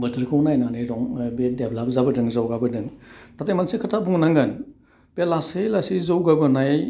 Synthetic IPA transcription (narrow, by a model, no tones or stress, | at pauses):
bɯtʰɯɾkʰɯwnajnanɯjɾɔŋbedeblap̚zabɯdɯŋzawɡabɯdɯŋtatejmansikʰatʰabuŋnaŋɡɯn | pelaselasizawɡabɯnaj